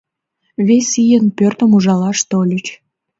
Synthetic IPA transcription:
βesʲijənpørt̪əmuʒɑlɑʃt̪olʲət͡ɕ

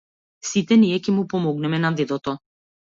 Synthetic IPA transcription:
sit̪ɛniɛcɛmupɔmɔɡnɛmɛnad̪ɛd̪ɔt̪ɔ

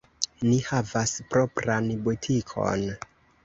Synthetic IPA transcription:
nihavaspɾo̞pɾanbotʰikʰo̞̰n

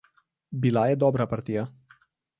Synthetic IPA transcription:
bilajed̪obɾapart̪ija

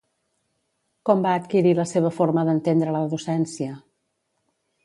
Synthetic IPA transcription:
kɔmbaːt̪kiɾiləseβ̞əfoɾməðənt̪end̪ɾələðusɛnsiə

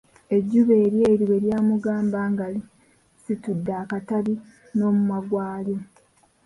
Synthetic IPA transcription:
e̞ɟːuβe̞ːɾje̞ːɾiwe̞ɾjaːmuɡaːmbaːŋɡali | situdːaːkataβi | no̞ːmumaɡwaːljo̞

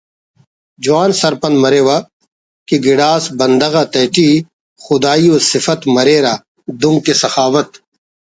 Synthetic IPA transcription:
d͡ʒuaːnsɐɾpɐnmɐɾeːwa | kiɡɪɽaːsbɐnd̪ɐɣat̪ɐːʈiː | xʊd̪aːioːsɪfɐt̪mɐɾeːɾaː | d̪ʊŋɡ̚kesɐxaːʋɐt̪

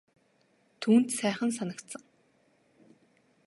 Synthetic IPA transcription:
t̪ʰuːnt̪sæːχə̆ns̬anə̆kt̪sə̆ŋ

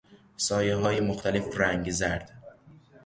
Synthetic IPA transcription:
sɒːjeɦɒːjemoxt̪ʰæle̞fræŋɡzæɾd̪̥

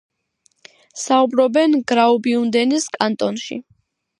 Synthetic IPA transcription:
saubɾɔbɛnɡɾaubiund̪ɛniskʼant̪ʼɔnʃḭ

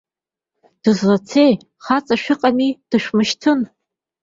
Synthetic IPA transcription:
d̥ɨzlat͡sʰej | χat͡sʼaʃᶣɨqʼamid̥ɨʃʷᶣmɨʃtʰɨn

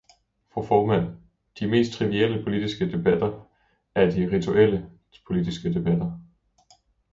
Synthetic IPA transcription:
fʁofɒːmæn̰ | d̥ime̝̰ːsd̥̚t͡sʰʁiʋiel̰əpʰo̝lid̥isɡ̥əd̥e̝b̥æd̥ɐ | æɐd̥iʁit͡sʰuʔel̰ə | pʰo̝lid̥isɡ̥əd̥e̝b̥æd̥ɐ

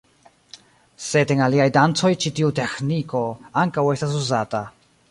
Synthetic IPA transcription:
se̞deŋaliajdant͡so̞jt͡ʃitiute̞xniko̞aŋkawe̞stas̬uzata

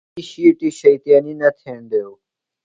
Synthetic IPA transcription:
iʃiːʈiːʃəit̪jaːniːnət̪ʰẽːnd̪eːoː

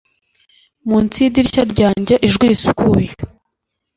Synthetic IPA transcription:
munt͡sidiɾcaɾɟaːɲɟaʔiʒɡwiisukuje

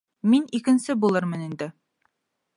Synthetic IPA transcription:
minikɘ̆nsɘbulˠɤɾmɤnind̪ɘ

